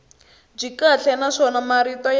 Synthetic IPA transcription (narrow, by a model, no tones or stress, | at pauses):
b͡ʐikat͡ɬʰɛnaʂɔnamaɾitɔj